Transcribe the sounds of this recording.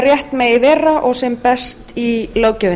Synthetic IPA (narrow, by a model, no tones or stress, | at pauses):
rjɛht̪mɛɣɪvɛːraʔɔɣsɛmpɛst̪iloːwcɛvɪ